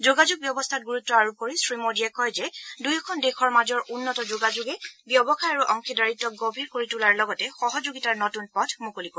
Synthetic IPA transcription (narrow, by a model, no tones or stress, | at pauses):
d͡ʒoɡad͡ʒuɡ̚bjɔbɔstʰat̚ɡuɹutːɔaɹukoɹisɹimodijɛkɔjzɛdujɔkʰɔndexʰɔɹmazɔɹʔunːɔtɔd͡ʒoɡad͡ʒuɡɛbjɔbɔxaaɹuʔɔŋkʰidaɹitːɔk̚ɡɔbʱiɹkoɹitulaɹlɔɡɔtɛxɔɦɔd͡ʒoɡitaɹnɔtunpɔtʰmukoliko